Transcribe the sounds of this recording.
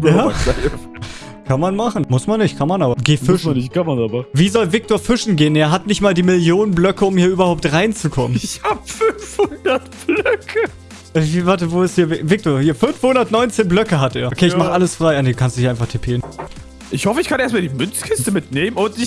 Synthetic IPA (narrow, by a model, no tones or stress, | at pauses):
bjaːaɪf | kʰanmanmaχn̩mʊsmanːɪçtkʰanmanʔaːbɐɡeːfɪʃnɪçkanmanabaviːzɔlvɪk̚toːɐfɪʃn̩ɡeːənʔeːɐɦatnɪçtmaːldiːmɪljoːnənblœkəʊmhiːɐʔyːbɐhaʊp̚tʁaɪnt͡sukʰɔmənɪçhaːbfʏnfhʊndɐtb̥lœkʰə | ʔɛvivaɐtəvoːɪsthiːɐvɪvɪk̚tʰoːɐhiːɐfʏnfhʊndɐtnɔʏnt͡seːnblœkəɦatʔeːɐʔokʰeːɪmaχəʔaləsfʁ̥aɪʔanːduːkʰanstu̥diːɐaɪnfaχtʰepʰeːən | ʔɪçhɔfəɪçkʰaneːɐs̬tmaɐldiːmʏnt͡skʰɪstəmɪtneːmənʊntɪ